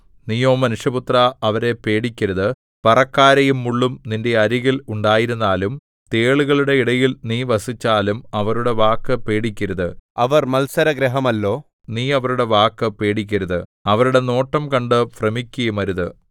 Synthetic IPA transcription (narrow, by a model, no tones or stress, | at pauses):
nijo̞ːmɐnuʂjɐput̪rɐɐʋɐɾe̞pe̞ːɽikʲːɐɾɐðɨ | pɐrɐkːaːɾɐjumːuɭːumninde̞ɐɾiɣiluɳɖaːjiɾunːaːlum | t̪e̞ːɭuɣɐɭuɽe̞iɽɐjilniːʋɐsit͡ɕːaːlumɐʋɐɾuɽe̞ʋaːkːɨpe̞ːɽikʲːɐɾɐðɨɐʋɐrmɐlsɐɾɐɡɾɐɦɐmɐlːo̞ː | niːɐʋɐɾuɽe̞ʋaːkːɨpe̞ːɽik̬ʲːɐɾɐðɨɐʋɐɾuɽe̞no̞ːʈːɐmkɐɳɖɨfrɐmikʲːɐjumɐɾuðɨ